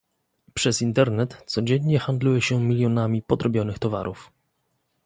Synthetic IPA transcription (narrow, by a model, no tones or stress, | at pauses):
pʂɛsint̪ɛɾnɛt̪sɔd͡ʑeɲɲɛxand̪lujɛɕɛmʲilʲjɔnamʲipɔd̪ɾɔbʲjɔnɘxt̪ɔva̰ɾʔuf